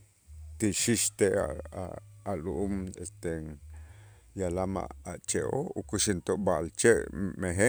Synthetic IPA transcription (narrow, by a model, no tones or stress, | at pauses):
t̪iʃiʃt̪ea̰a̰ːluʔumest̪eŋ | jalama̰a̰t͡ʃeoukuʃint̪oʔbaʔlt͡ʃeʔmeɦe